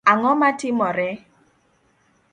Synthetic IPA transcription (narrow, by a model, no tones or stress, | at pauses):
aŋɔmatɪmɔɾɛ